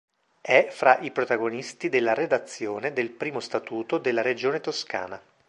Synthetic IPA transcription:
ɛfɾaʔipɾot̪aɡonist̪id̪elːaɾed̪at̪sːjoːned̪elpɾiːmost̪at̪uːt̪od̪elːaɾed͡ʒoːnet̪oska̰ːna

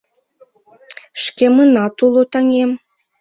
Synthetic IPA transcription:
ʃkemənɑt̪ulˠot̪ɑŋem

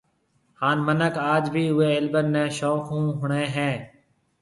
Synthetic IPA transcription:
haːnmənəkaːd͡ʒbʱiːʊeːɪlbənːẽːʃɔːkʰũːɦʊɳẽːɦɛ̃ː

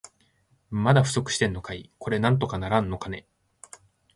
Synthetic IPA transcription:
mad̪aɸɯ̟̥so̞kɯ̟̥ɕi̥t̪e̞nːo̞kaiko̞ɾe̞nãnt̪̬o̞kanaɾãnːo̞kane̞

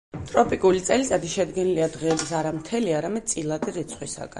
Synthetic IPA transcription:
t̪ʼɾɔpʼikʼulit̪sʼɛlisad̪iʃɛd̪ɡɛniliad̪ʁɛːbisaɾamt̪ʰɛliaɾamɛd̪̚t̪sʼilˠad̪iɾit̪sʰχwisa̰ɡa̰

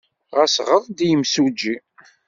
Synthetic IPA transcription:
ʁæsʁəðˤd̪jəmsud͡ʒːi

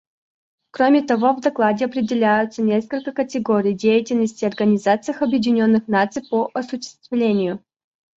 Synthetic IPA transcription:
kɾomʲɪt̪ɐvo̞vd̪ɐklˠadʲɪɐpɾʲɪdʲɪlʲæjʊt̪sənʲe̞skəlʲkəkətʲɪɡoɾʲɪjdʲejɪtʲɪlʲnəsʲtʲɪɐrɡənʲɪzat̪sɨjəxɐbjɪdʲɪnʲo̞nːɨxnat̪sɨjpoʔɐsʊɕːɪ̥st̪vlʲenʲɪjʊ

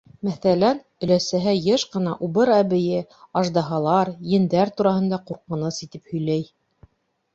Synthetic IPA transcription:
mæθælæn | ɵ̆læsæɦæjɤʃqɤ̆nɑʔuβɤɾæβɘ̆jɘɑʒd̪ɑɦɑlˠɑɾjɘ̆nd̪æɾt̪uɾɑhɤ̆nd̪ɑquɾqɤ̆nɤsit̪ɘphɵ̆jlæj

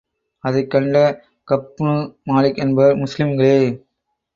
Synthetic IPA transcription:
ɐðɐɪkːɐɳɖɐ | kɐpːʊnumaːlɪkːɛnbɐɐɾmʊslɪmɡɐɭeː

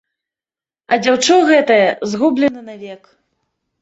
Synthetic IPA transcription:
ɐd͡zʲawt͡ʂɔɣɛt̪ɐjɐzɣublʲɛnɨnavʲɛk

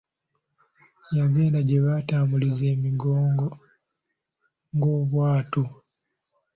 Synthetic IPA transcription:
jaβeːndaɟeβataːmbulize̞ːmiɡoːŋɡo̞ | ŋɡo̞ːβwaːtu

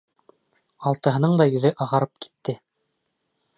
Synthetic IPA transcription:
ɑlˠt̪ɤ̆ɦɤ̆nɤɴd̪ɑjɵ̆ðɘʔɑʁɑɾɤp̚ki̥t̪ːɘ

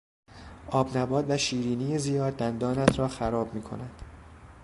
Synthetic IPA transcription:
ʔɒːbnæbɒːd̪væʃiːɾiːniːjezijɒːd̪̚ːænd̪ɒːnæt̪ʰɾɒːxæɾɒːbmiːkʰo̞̰nænd̪̥

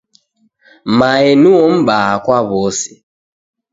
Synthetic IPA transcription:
maenuɔm̩ɓaakʷwaβɔsɪ̥

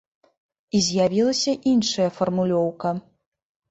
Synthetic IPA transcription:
izʲjavʲilˠɐsʲɐʔinʂɐjɐfɐrmulʲɔwkɐ

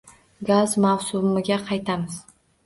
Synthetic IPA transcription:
ɡazmawsʊmɪɡʲaqʰɑjt̪ʰamɪz

